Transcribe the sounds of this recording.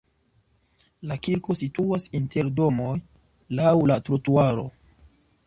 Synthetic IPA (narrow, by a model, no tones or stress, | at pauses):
lakiɾko̞situasinte̞ɾdo̞mo̞j | lawlatɾotuaɾo̞̰